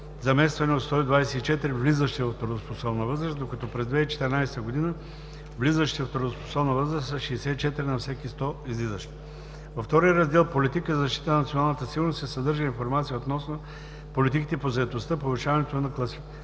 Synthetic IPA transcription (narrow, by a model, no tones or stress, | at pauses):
zɐmɛst̪vɐnɛot̪st̪ɔid̪vaɛsɛit͡ʃɛt̪iɾivlizəʃt̪ɛvɐft̪oɾd̪osposɔbnɐvɤzɾəsd̪okɐt̪ɔpɾɛzd̪vɛit͡ʃɛ̥t̪ɛɾinajsɛ̥t̪əɡod̪inə | vlizəʃt̪iəft̪ɾd̪ospo̥sɔbnɐvəzɾəsɐʃɛːsɛit͡ʃɛt̪iɾinɐfsɛkist̪ɔizlizəʃt̪ɛ̥ | vɐft̪ɔɾijəɾɐzd̪ɛlˠpolit̪ikəzɐzɐʃt̪i̥t̪ənɐnɐt̪sionalˠnət̪əsiɡʊɾnost̪ɛsɐd̪əɾʒəinfoɾmat̪siəot̪nɔsno | polit̪ikit̪ɛpozɐɛt̪ost̪əpovɪʃavɐnɛt̪onɐklˠɐsi